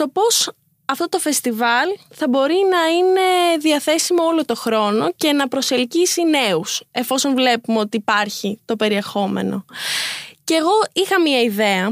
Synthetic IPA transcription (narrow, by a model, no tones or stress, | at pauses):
t̪o̞po̞s | ɐft̪o̞t̪o̞fe̞st̪ivɐlθɐbo̞ɾinɐine̞ðiɐθe̞simoo̞lo̞t̪o̞xɾo̞no̞ce̞nɐpɾose̞lcisine̞use̞fo̞so̞nvle̞pumeo̞t̪iːpɐɾçit̪o̞pe̞ɾie̞xo̞me̞̰no̞̰ | ceɣo̞ixɐmiɲɐiðe̞ɐ